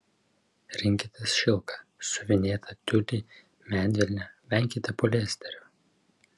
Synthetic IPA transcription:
ɾʲɪŋʲkʲɪt̪ʲɛsʃʲɪlˠkɐsʊʋʲɪnʲeːt̪ʰɐt̪ʲʊlʲiː | mʲæːnʲʋʲɛlʲnʲɛʋʲɛŋʲˑkʲɪt̪ʲɛpɔlʲeːsʲt̪ʲɛɾʲʊ

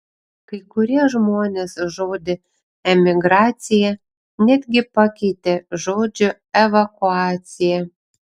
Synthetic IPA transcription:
kɐɪkʊɾʲiɛʒmoːnʲeːsʒoːd̪ʲɪ | ɛmʲɪɡɾɑːt̪sʲɪjɛ | nʲæd̪ʲɡʲɪpɐkʲɛɪt̪ʲeʒoːd͡ʒʲʊ | ɛʋɐkʊɑːt̪sʲɪjɛ

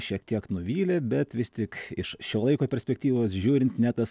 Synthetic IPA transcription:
ʃʲiɛkt̪ʲiɛknʊʋʲiːlʲebʲɛt̪ʋʲɪst̪ʲɪkɪʃʃʲoːlˠɐɪkoːpʲɛɾʲsʲpʲɛk̚t̪ʲiːʋoːsʒʲuːɾʲɪnt̪nʲɛt̪ɐs

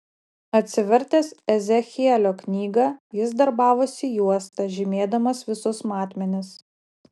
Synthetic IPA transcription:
ɐt̪ʲsʲɪʋʲɛɾʲt̪ʲɛsɛzʲɛxʲiɛlʲoːknʲiːɡɐjɪsd̪ɐɾbɑːʋosʲijuɔst̪ɐʒʲɪmʲeːd̪ɐmɐsʋʲɪsʊsmɑːt̪ʲmʲɛnʲɪs

